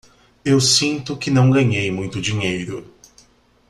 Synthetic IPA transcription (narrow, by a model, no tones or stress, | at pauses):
ewsĩnt̪ʊkɪnɐ̃w̃ɡɐɲejmũj̃t̪ʊd͡ʒiɲejɾʊ